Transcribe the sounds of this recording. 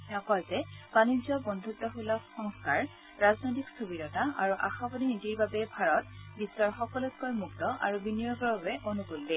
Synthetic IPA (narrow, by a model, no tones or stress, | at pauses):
ɔkɔlzɛbanizɔbɔnd̪ʱutːɔɦulɔxɔŋskaɹ | ɹaznojtikstʰobiɾɔtaʔaɹuʔaxabɔdinitiɹbabɛbʱaɹɔtbisːɔɹxɔkɔlɔt̚kojmuktɔʔa̰ɹubinijɔɡɔbabɛʔonukulːɛ